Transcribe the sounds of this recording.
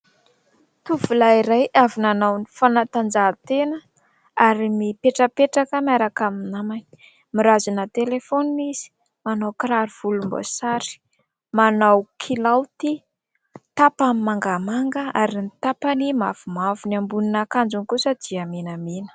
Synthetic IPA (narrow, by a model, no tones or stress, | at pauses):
t̪uv̥ulaiɾajʔavunanawnifanat̪and͡zaːt̪enə | aɾimipeʈ͡ʂəpeʈ͡ʂakəmaɾakaminamani | miɾazunat̪elefoniiz̥i̥ | manawkɾaɾv̥ulumbo̰saɾi̥ | manawkʰilawt̪i | t̪apamimaŋɡamaŋɡəaɾinit̪apanimavumavuniambuninakand͡ʒunkusəd̪̥iaminaminə̥